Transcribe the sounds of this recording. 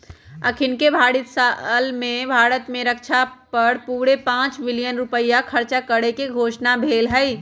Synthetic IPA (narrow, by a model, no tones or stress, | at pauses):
əkʰɪnkebʱaːɽɪt̪salmẽbʱaːɾət̪mẽɾəkʃʰapəɽpuːɾepãːt͡ʃbɪlijənɾupəjakʰəɾt͡ʃakəɽekeɡʱoːʃnabʱeːlɦəi